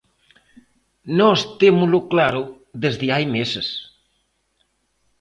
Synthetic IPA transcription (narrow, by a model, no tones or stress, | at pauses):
nɔst̪emuluklaɾu | ðezðiajmeses